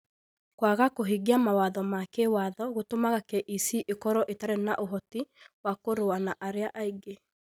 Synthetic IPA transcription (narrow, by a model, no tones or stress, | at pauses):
kwaɣakoɦiɡiamawaðɔmakewaðɔɣotomaɣakɛʔisiʔekɔɾɔʔetaɾɛnaʔoɦɔtiwakoɾoanaʔaɾeaʔaiɡe